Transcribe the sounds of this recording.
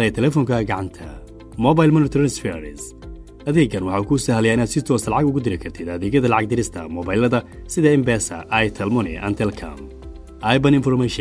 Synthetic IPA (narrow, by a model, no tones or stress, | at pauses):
ɛt̪ʰɛlɛfɔŋkʰɐɡɑʕɑnt̪ʰɐ̰ | mɔβajlmɔnɪt̪ʰɾɛnsfɛɾɪ̰s | ɐðɛːɡɐnwɑħɑuːkʰusɐhælɛjaɪnaːd̪sɪt̪ʰɔːsɐlɑʕɑɡʊɣʊd̪ɪlɪkʰɐrt̪ʰɪd̪ɐðɛːɡjɐðɐlɑʕɑɡ̚d̪ɪɾɪst̪ʰɐ̰mɔbajlɐðɐsɪðɐɪmbɛːsɐ̰ʔɐjt̪ʰɐlmʊnɪ̰ʔɐ̰nt̪ʰɛlkʰɐ̰m | ʔajbɐnɪnfɔrmɛʃ